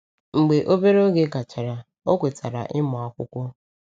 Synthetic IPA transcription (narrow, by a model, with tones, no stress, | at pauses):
ŋ͡m̩˨ɡ͡be˨ʔo˦be˦ɾo˦ɡe˦ɡa˨t͡ʃa˨ɾa˨ | o˦kʷe˨ta˨ɾa̰˨ʔɪ˦mɔ˨a˨kʷʊ˦kʷɔ˦